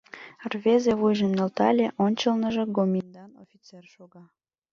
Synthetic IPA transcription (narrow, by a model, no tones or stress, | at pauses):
rvʲezeβujʒəmnelt̪ɑlʲeʔonʲt͡ɕəlnəʒĕɡomʲind̪ɑno̰fʲit͡serʃoɣɑ